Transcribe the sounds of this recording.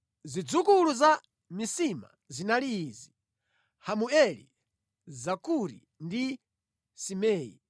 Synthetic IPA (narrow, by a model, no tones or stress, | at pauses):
zid͡zukuluza | misima̰ | zinaliːzi | hamuɛlḭ | zakuɾḭ | ndi | simɛːjḭ